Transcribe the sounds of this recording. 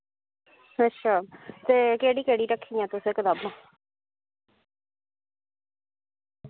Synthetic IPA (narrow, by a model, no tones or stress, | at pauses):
ətːʃʰaːt̪eːkeːɽiːkeːɽiːɾəkʰːijãːt̪ʊsẽːkəd̪aːbnãː